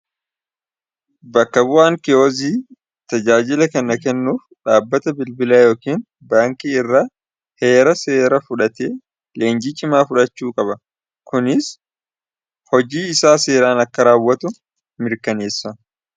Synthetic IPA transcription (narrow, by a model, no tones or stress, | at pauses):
bɐkːɐbʊʔaːŋkɪoːziː | t̪ɐd͡ʒaːd͡ʒɪlɐkɐnɐkɛnːuːfᶑaːbːɐt̪ɐbɪlbɪlaːjo̞ːkiːn | baːŋkiːɪrːa | he̞ːɾɐse̞ːɾɐfʊᶑɐt̪eː | le̞ːnd͡ʒiːt͡ʃʼɪmaːfʊᶑɐt͡ʃːuːkʼɐbɐ | kʊnɪs | hɔd͡ʒiːɪsaːse̞ːɾaːnɐkːɐɾaːwːɐt̪ʊ | mɪɾkɐne̞ːsːɐ